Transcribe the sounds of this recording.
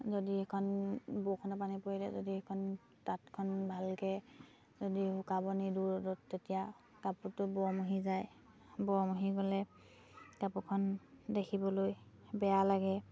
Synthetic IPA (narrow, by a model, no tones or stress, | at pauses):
zodiɛkʰɔnbokʰɔnɔp̬anipoɹilɛ̰zodiɛkʰɔn | tatkʰɔnbʱalkɛ | zodiɦʊkabɔniduɹɔdɔtːetija | kaputʊbɔɔmuɦizaj | bɔɔmuɦiɡɔlɛ | kapukʰɔndekʰibɔloj | bɛjalaɡɛ